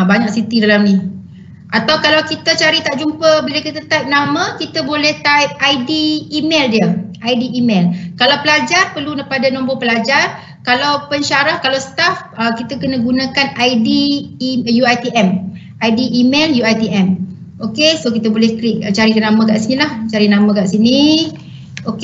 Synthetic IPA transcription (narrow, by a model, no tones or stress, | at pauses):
baɲak̚sit̪idalamni | ʔat̪awkalawkit̪ət͡ʃaɾit̪aʔd͡ʒumpəbilakit̪t̪at̪ap̚namə̃kit̪abolɛht̪ap̚ʔajdiːmeldiəʔajdiʔːmelkalawpəlad͡ʒarpərlunapadanɔ̃mbopəlad͡ʒar | kalawpəɲʃaɾahkalawsə̥t̪afəkit̪akənəɡunãkanajdi | juajt̪iʔɛm | ʔajdiʔːmeljuajt̪iʔɛm | okesokit̪abolɛhklɪk̚t͡ʃaɾikanamãkaʔsinilaht͡ʃaɾinãmə̃kaʔsini | ok